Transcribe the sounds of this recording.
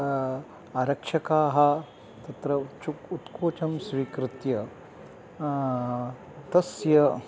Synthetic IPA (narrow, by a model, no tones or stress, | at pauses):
aɾɐkʂɐkaːɦɐ | t̪ɐt̪ɾɐt͡ʃukut̪kʰoːt͡ʃɐmsʋiːkɾɪt̪jɐ | t̪ɐsjɐ